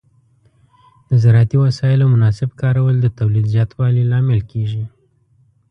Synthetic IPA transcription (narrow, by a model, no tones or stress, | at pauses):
d̪̥əzaɾɑt̪iwasɑɪlamʊnɑsɪbkɑɾawəld̪ət̪awlid̪zjɑt̪wɑlilɑmɪlkʰeʒi